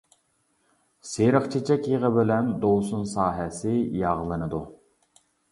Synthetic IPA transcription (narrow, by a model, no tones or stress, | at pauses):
seɾəχt͡ʃʰet͡ʃʰɛkʲjeʁəbɪlɛnd̪owsunsɑːɦɛsɪjɑʁlˠɨnɨd̪u